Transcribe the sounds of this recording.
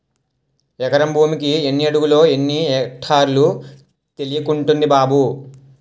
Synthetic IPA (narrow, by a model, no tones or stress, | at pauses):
ɛkɐɾɐmbʱuːmikienːiɐɽuɡulo̞ːenːiɛːkʈʰaːɾlu | t̪e̞lijɐkuɳʈund̪ibaːbu